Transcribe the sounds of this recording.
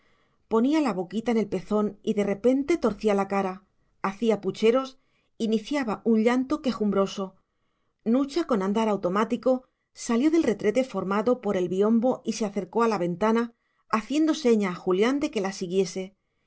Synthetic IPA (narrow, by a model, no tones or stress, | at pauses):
po̞nialaβo̞kit̪aene̞lpe̞θo̞niðe̞re̞pe̞nt̪e̞t̪o̞ɾθialakaɾa | aθiaput͡ʃe̞ɾo̞s | iniθjaβaʔuɲʎant̪o̞ke̞xumbɾo̞so̞ | nut͡ʃako̞nãnd̪aɾawt̪o̞mat̪iko̞ | saljo̞ðe̞lre̞t̪ɾe̞t̪e̞fo̞ɾmaðo̞po̞ɾe̞lβio̞mbo̞ʔise̞aθe̞ɾko̞alaβe̞nt̪anaː | θje̞nd̪o̞se̞ɲaːxuljand̪e̞ke̞lasiɣje̞se̞